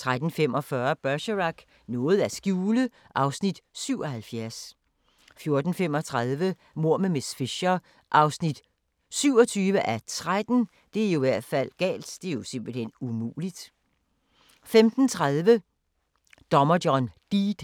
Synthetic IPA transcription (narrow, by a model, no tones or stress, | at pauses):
t͡sʰʁad̥n̩fem̰ɒ̽fɶɐb̥ɶɐɕəʁaɡ̥ | nɔ̽ːð̞̩ˠæsɡ̥juːlə | ʔɑ̈ʊsnid̥syʊ̰ɒ̽hælfjæɐs | fjo̝ɐd̥n̩fem̰ɒ̽t͡sʰʁaðˠʋə | mo̝ɐ̰memesfeɕɐ | ʔɑ̈ʊsnid̥ | syʊ̰ɒ̽t͡sʰyːʋəʔæt͡sʰʁad̥n̩ | d̥e̝æɐijiʋæɐ̰d̥fæl̰ɡ̥ɛ̰ːld̥d̥e̝æɐjo̝se̝mb̥l̩hen̰umṵːlid̥ | femd̥n̩t͡sʰʁaðˠʋə | d̥ɒ̽mɐd̥jɒnd̥id̥